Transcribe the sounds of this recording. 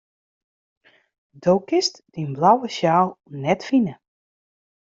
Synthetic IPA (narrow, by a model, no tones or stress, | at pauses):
dowkɪstd̥inblawəʃaːlˠnɛtfinə